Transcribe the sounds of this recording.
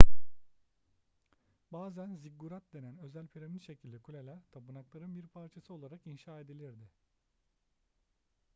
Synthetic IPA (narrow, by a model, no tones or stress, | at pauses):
baːzænziɡuɾat̪̚d̪e̞nænø̞zælʲpʰiɾeminʃe̞cʰilʲd̪ɛkʰulʲelʲæɾt̪ʰabɯnaklˠaɾɯnbiɾpʰaɾt͡ʃʰasɯo̞lˠaɾakinʃaːe̞d̪ilʲiɾd̪ɪ